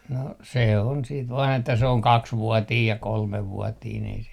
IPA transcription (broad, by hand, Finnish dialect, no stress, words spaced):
no se on siːt ʋɑːn etːæ se oŋ kɑksʋuɔtiːj jɑ kolmeʋˑuɔtiːn ei se